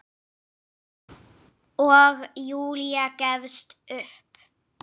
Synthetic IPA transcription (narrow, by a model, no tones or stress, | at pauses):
ɔɣjuːliakɛvst̪ʏhp